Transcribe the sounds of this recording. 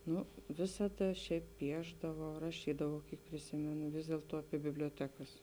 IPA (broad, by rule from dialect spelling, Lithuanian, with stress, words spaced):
ˈnʊ ˈʋʲɪsɐdɐ ˈʃʲɛɪp ˈpʲiɛʒdɐʋɐʊ rɐˈʃʲiːdɐʋɐʊ ˈkʲiɛk pʲrʲɪˈsʲɪmʲɛnʊ ˈʋʲɪs dʲeːlˠtuɔ ɐpʲiɛ bʲɪbʲlʲoːˈtʲæːkɐs